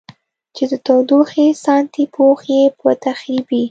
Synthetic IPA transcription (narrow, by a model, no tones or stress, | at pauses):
t͡ʃed̪ət̪awd̪oxesɑnt̪ipʰoxjepət̪axɾibi